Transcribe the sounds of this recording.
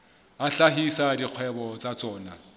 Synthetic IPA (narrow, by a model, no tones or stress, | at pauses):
aɬaɦisadiq͡χʰwɛbɔt͡sʼat͡sʼɔːna